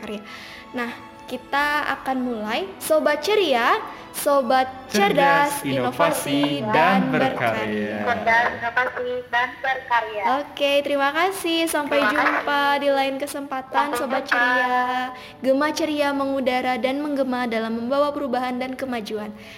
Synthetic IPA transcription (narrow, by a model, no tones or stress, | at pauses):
kaɾia | nah | kit̪aa̰kanmulajsobat̪̚t͡ʃəɾia | sobat̪̚t͡ʃədasinofasidanbərkaɾiaədasofasidanbərkaɾiaoket̪əɾimakasɪhsampajd͡ʒumpadilaɪnkəsəmpat̪ansobat̪̚t͡ʃəɾia | ɡəmat͡ʃəɾiaməŋudaɾadanməŋɡəmadalamːəmbawapəɾubaɦandankəmad͡ʒuan